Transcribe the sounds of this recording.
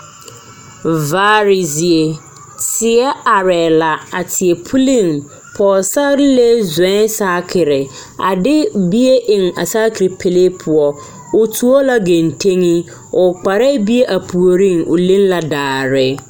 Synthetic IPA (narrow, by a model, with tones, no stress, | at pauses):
vaː˨˦ɾi˨zi˨e˨ | tɪ˨ɛ˦a˨ɾɛː˨la˨a˨tʰɪ˨ɛ˨pʰu˦li˦˨ŋ | pʰɔ˨sa˦ɾle˦zɛ̃˨˦saː˦kʰɪ˨ɾɪ˨ | a̰˨dɪ˦bi˦e˦ʔɪ̃˨ŋ˨a̰˨saː˦kʰi˨ɾi˨pʰe˨le˦pʰʊ˨ɔ˨ | ʊ˨tʰu˦o˦la˦ɡẽ˨n˨tʰẽ˦ŋĩ˦ | ʊ˨k͡pa˨ɾɛ˦bi˦e˦ʔa˨pʰu˨o˨ɾĩ˦˨ŋʊ̰˨lĩ˦nla˨daː˨ɾɪ˨